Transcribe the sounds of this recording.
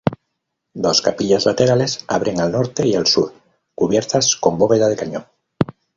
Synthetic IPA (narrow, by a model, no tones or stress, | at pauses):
d̪o̞skapiʎazlat̪eɾale̞sa̰β̞ɾeŋalnoɾt̪eialsuɾ | kuβjeɾt̪asko̞mboβeðað̞e̞kaɲoŋ